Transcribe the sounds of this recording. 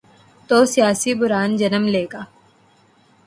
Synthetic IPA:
t̪oːsijaːsibʊɾaːnd͡ʒɐnəmleːɡaː

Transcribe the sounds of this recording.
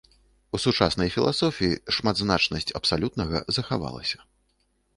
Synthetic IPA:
usut͡ʂasnɐjfʲilˠasɔfʲijiʂmad̪znat͡ʂnɐsʲt͡sʲɐpsalʲut̪̚nɐɣɐ̰zɐxava̰lˠɐ̰sʲɐ̥

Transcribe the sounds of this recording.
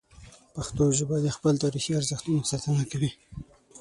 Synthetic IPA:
paxt̪oʒəbɑd̪expəlt̪ɑɾixiaɾzəxt̪unasɑt̪ənakawi

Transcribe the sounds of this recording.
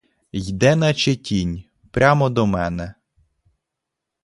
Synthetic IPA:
jd̪ɛnɐt͡ʃetʲinʲ | pɾʲʔamɔd̪ɔmɛnɛ

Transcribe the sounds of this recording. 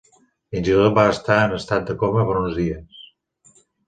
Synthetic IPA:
inʲʒiɾot̪̚baəst̪aənəst̪at̪̚d̪əkoməpəɾunzðiəs

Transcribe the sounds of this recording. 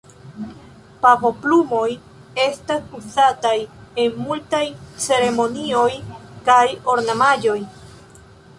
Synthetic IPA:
papo̞plumo̞j | e̞stasuzataje̞nmultajt͡se̞ɾe̞mo̞nio̞jkajo̞ɾnamad͡ʒo̞j

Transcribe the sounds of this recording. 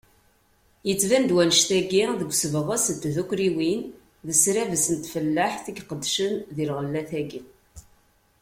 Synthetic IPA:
jət͡sːvænd̪wænəʃt̪æɡiðəɡʷsəvəʁəsənt̪ðukɾiwin | ðəsɾævəsənt̪fəlːəħθiɡqəd̪ːʃənðilʁəlːæθæɡi

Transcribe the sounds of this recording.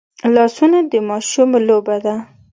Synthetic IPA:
lɑsunad̪əmɑʃumlobad̪a

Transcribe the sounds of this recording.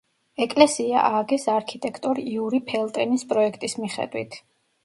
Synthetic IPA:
ɛkʼlɛsia̰ʔaːɡɛsaɾkʰit̪ʼɛkʰt̪ʼɔɾiiuɾipʰɛlˠt̪ʼɛnispʼɾɔɛkʰt̪ʼismiχɛ̰d̪̥wḭt̪ʰ

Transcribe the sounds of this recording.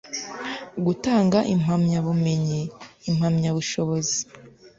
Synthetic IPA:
ɡutaːŋɡaʔim̥amɲaβume̞ɲeim̥hamɲaβuʃo̞βozi

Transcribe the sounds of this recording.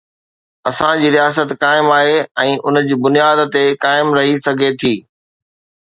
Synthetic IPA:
ɐsãd͡ʑiːɾijaːs̬ət̪kaːɪmaːɦeɛ̃ːʔʊnd͡ʑiːbʊnijaːd̪t̪ekaːɪmɾɐɦisɐɡʱet̪ʰiː

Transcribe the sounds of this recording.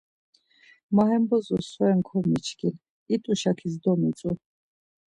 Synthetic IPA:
maɦɛmbɔzɔsɔɛŋkʰɔmit͡ʃʰkil | it̪ʼuʃakʰizd̪ɔmit͡sʼu

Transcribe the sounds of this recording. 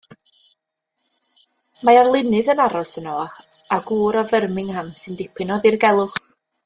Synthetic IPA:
maɔrlˠɪnɨðənaɾɔsənɔaɡuːɾɔvərmɪŋhamsɨndɪpʰɨnɔðirɡɛlˠʊχ

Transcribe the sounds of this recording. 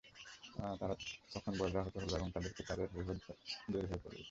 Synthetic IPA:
t̪aɾat̪ɔkʰɔnbɔɾeɾaɦot̪oɦoloɛbɔŋt̪ad̪eɾkit̪ad̪eɾɦojɦod̪oɦoepɔ̰ɾḛ

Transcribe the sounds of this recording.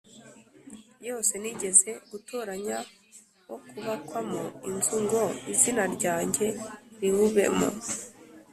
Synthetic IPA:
jo̞ːse̞niɟe̞ze̞ɡ̥utoːɾaɲa | wokuβakwamoinzuŋɡo̞izinaɾɟaːɲɟe̞ɾiβuβe̞̰mo̰

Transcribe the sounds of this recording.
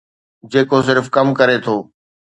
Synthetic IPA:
d͡ʑeːkos̬ɪɾfkɐmkɐɾet̪ʰoː

